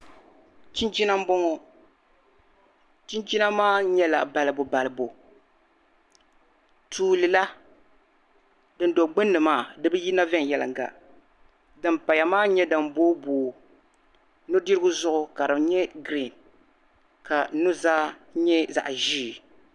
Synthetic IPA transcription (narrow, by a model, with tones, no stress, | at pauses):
t͡ʃi˦nd͡ʒi˦na˦m̩˦bɔ˦ŋɔ˦ | t͡ʃi˦nd͡ʒi˦na˦maː˦ɲɛ˦la̰˨ba˨lɨ˨bo˨ba˨lɨ˨bo˨ | tʰuː˨lɨ˨la˦ | dɨ˨ndo˨ɡ͡bɨ˦nːɨ˨maː˦˨dɨ˦bɨ˦ji˦na˦vɛ˦ŋ˨jɛ˦lɨ̰˨ŋ˨ɡa̰˨ | dɨ˨mpa˨ja˨maː˦ɲɛ˦dɨ˨mboː˦boː˨ | nʊ˦di˦ɾɨ˦ɡʊ˦zʊ˦ʔʊ˦ka˨dɨ˨mɲɛ˦ɡɾi˦˨n | ka˨˦nʊ˦zaː˦ɲɛ˦za̰˨ʔʒiː˦˨